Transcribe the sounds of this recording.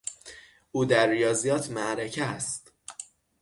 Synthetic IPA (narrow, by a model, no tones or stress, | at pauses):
ʔuːd̪æɾːijɒːzijɒːt̪ʰmæʔɾecʰæst̪